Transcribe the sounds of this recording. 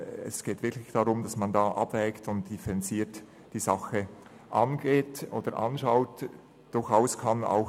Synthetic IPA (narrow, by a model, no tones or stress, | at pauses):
ɛ̰sɡ̥eːtv̥ɪklɪçd̥aʁʊmd̥ɑsmandɑːʔɑb̥vɛːktʊntd̥ifɛɾɛnt͡siːt | d̥iːzɑxə | ʔɑnɡeːtʔoːd̥əɾʔɑ̰nʃaʊt | d̥ʊɾxaʊskʰɑna̰ʊx